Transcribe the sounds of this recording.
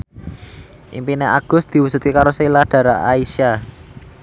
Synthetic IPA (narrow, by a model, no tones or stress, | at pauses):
ʔḭmpineʔaɡ̥ʊ̤st̪̚d̪̥i̤wusut̪kikaɾoslad̥ä̤ɾaʔaisa